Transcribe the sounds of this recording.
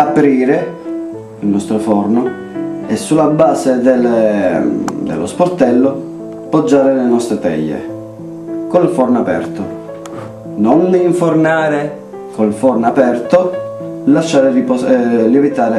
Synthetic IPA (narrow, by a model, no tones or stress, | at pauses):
apɾiːɾe | ilnɔst̪ɾofɔrno | ɛsːulːabːaːsed̪el | d̪ḛlːo̰sport̪ɛlːo | pod͡ʒːaːɾelenɔst̪ɾet̪ɛ̰ʎːḛ | konilfɔrnapɛ̰rt̪o | nonːiɱfornaːɾe | kolfɔrnapɛrt̪olaʃːaːɾelipolevit̪aːɾe